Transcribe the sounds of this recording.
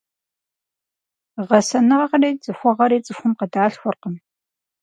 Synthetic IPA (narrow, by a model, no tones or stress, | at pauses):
ʁɐsɐnɨʁɐqreːt͡sʼɨxʷɔʁɐɾeːt͡sʼɨxʷʊmqədaːɬxʷʊrqəm